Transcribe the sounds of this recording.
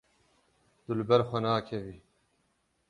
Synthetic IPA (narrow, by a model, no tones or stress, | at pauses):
d̪̥ulbɐɾxʷɐnaːkʰɐviː